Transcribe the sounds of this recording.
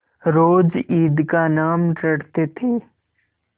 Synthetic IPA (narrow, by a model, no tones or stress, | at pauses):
ɾoːd͡ʒiːd̪kanaːmɖɐɽt̪et̪ʰeː